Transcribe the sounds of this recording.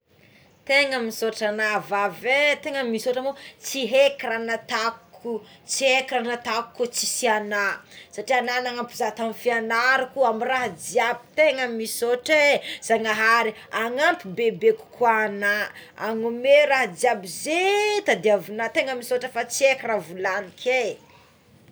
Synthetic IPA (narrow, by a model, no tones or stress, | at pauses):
t̪eŋəmisoʈ͡ʂanavavet̪eŋəmisoʈ͡ʂamot͡siɦekiɾanat̪akku | t͡siekiɾanat̪aku̥kut͡si̥sianasaʈ͡ʂiananaŋampuzat̪amifianaɾukuamiraɦad͡ziabi̥t̪eŋəmisoʈ͡ʂez̥aŋaɦaɾi | aŋampibebeku̥kwanaaŋumeɾaɦad͡ziabizet̪ad̪iavunat̪eŋəmisoʈ͡ʂəfat͡siekiravulanikʰe